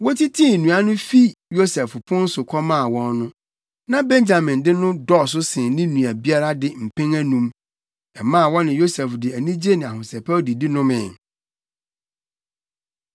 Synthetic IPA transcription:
wɔ˦tʰi˦tʰĩ˦˨nũ˨a˦nʊ̃˦fi˦jo˦sɛ˨fpʰʊ̃˦n̩˦sʊ˨kʰɔ˦mã˦˨wɔ̃˦nnʊ̃˦ | nã˦bɛ̃˦nd͡ʑa˨mɪ̃˨ndɪ˦nʊ̃˦dɔ˦˨s̬ʊ˦sɪ̃˨nɪ̃˦nũ˨æ˨bi˦a˦ɾa˦dɪ˦˨m̩˨pʰɛ̃˦ŋæ˦nũ˨m | ɛ̰˨mã˦˨wɔ̃˦nɪ̃˨jo˦sɛ˨fdɪ˨æ˨nĩ˦d͡ʑe˦nɪ̃˨a˨hʊ̃˨sɛ˨pʰa˦ɔ˦di˨di˦nʊ̃˦mɪ̰̃˨

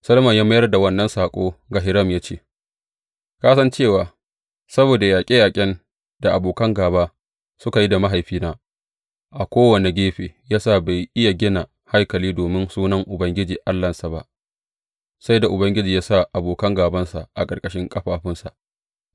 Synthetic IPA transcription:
sɐ˦lmɐ˨jaː˦mɐ˦jɐ˦rda˨wɐ˦nːɐ˦nsaː˨kʷʼoː˦ɡa˨ɦɪ˨ɾɐ˦˨mjaː˦t͡ʃeː˦˨ | kaː˦sɐ˦nt͡ʃeː˦˨waː˨ | sɐ˦boː˨da˨jaː˨kʲʼeː˦jaː˨kʲʼɪ˦n | d̥a˨ʔa˨boː˨kɐ˦ŋɡaː˨baː˦ | sʊ˦ka˨ji˦da˨ma˦ɦa˨jɸiː˦naː˦ | ʔa˨kʷoː˦wɐ˨ne˨ɡʲeː˦ɸeː˨jaː˦sa˦˨ba˨jʔɪ˦ja˨ɡʲɪ˦na˨ | ha˦jkɐ˨liː˦doː˨mɪ˦nsuː˦nɐ˦ŋʔʊ˨bɐ˦ŋɡʲɪ˦d͡ʒiː˨ʔa˦lːɐ˨nsa˨ba̰˦ʔ | sa˦jda˨ʔʊ˨bɐ˦ŋɡʲɪ˦d͡ʒiː˨jaː˦sa˦ʔa˨boː˨kɐ˦ŋɡaː˨bɐ˦nsa˨ʔa̰˨kʼɐ˨rkʼɐ˦ʃɪ˦ŋkʼɐ˦ɸaː˨ɸɪ˦nsa̰˨ʔ

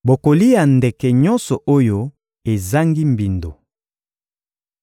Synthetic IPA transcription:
bo˨ko˨li˦ja˨nde˨kɛ˨ɲɔ˦nsɔ˨ʔo˦jo˦ | e˨za˦ŋɡi˦mbi˨ndo˨

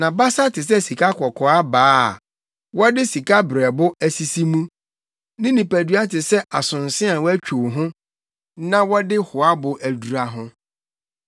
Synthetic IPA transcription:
nã˨ba˦sa˦tʰɪ˨s̬ɛ˦si˨kʰa˦kʰɔ˨kʰɔ˨a˦baː˨˦˨ | wɔ˦dɪ˦si˨kʰa˦bɾɛ˨bʊ˦æ˨si˨si˦mũ˦ | nɪ̃˦nĩ˨pæ˨du˦a˦tɪ˨sɛ˦ʔa˨sʊ̃˨n˨sɪ̃˦a˨wæ˦t͡ɕᶣʰu˨ɦʊ̃˦ | nã˦wɔ˦dɪ˦hʊ˨a˦bʊ˨ʔæ˨du˨ɾa˨ɦʊ̃˦

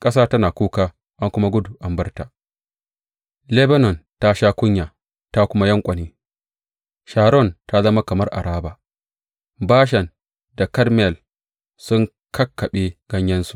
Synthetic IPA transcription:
kʼɐ˦saː˦tɐ˦naː˨kʷuː˦kaː˦ | ʔa˦ŋkʷʊ˦ma˦ɡʷʊ˦du˨ʔa˨mbɐ˦rta˨ʔ | lɛ˦bɐ˦nɔ˨nta˦ʃaː˦kʷʊ˦ɲjaː˨ | ta˦kʷʊ˦ma˦jɐ˦ŋkʷʼɐ˨niː˦ | ʃaː˨ɾɔ˦˨nta˦zɐ˦ma˦kɐ˨mɐ˦rʔa̰˨ɾaː˦baː˨ | baː˦ʃ̬ɐ˨n | da˨kɐ˦rmɛ˨l | sʊ˦ŋ | kʰɐ˦kːɐ˨ɓe˦ɡ̥ɐ˦ɲjɐ˦nsu̥˨˦

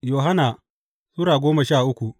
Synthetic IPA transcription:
joː˨ɦa˦na˨ | suː˦ɾaː˨ɡʷoː˦mɐ˨ʃaː˦˨ʔʊ˦kʷu˨ʔ

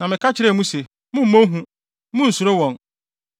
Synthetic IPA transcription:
nã˨mɪ̃˨kʰa˦t͡ɕʰɪ˨ɾɛ˦˨mũ˦se˨ | mʊ̃˦m̩˨mõ˦ɦũ˦ | mũ˦n̩˨su˨ɾo˦wɔ̃˨n

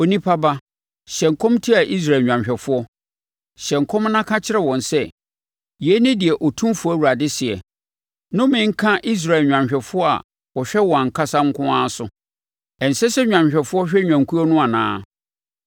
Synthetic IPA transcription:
o˨nĩ˦pʰa˦ba˦ | ɕɛ̃˨ŋ˨kʰɔ̃˦mtʰi˦a˨ʔi˦s̬ɾa˨lɲᶣã˨mɕᶣɛ˨fʊ˦ɔ˦ | ɕɛ̃˨ŋ˨kʰɔ̃˦m˦nã˦kʰã˦t͡ɕʰɪ˦ɾɛ˨wɔ̃˨nsɛ˦˨ | jɛ˨˦nɪ̃˦dɪ˨ɛ˨ʔɔ˨tʰũ˦mfʊ˨˦ɔ˦˨wu˨ɾa˨dɪ˦sɪ˨ɛ̰˨ | nʊ̃˦mɪ̃˦ŋ̩˦kʰã˦ʔi˦s̬ɾa˨lɲᶣ˨ã˨mɕᶣɛ˨fʊ˦ɔ˦a̰˨ | wɔ˨ɕᶣɛ˦wɔ̃˨a˨ŋ̩˨kʰa˦sã˦ŋ̩˦kʰʊ̃˦ã˦sʊ˨ | ɛ˨n̩˨sɛ˦sɛ˦ɲᶣã˨mɕᶣɛ˨fʊ˦ɔ˦ɕᶣɛ˦ɲᶣã˨ŋ˨kʰu˦ɔ˦nʊ̃˦a˨nã̰ː˨˦

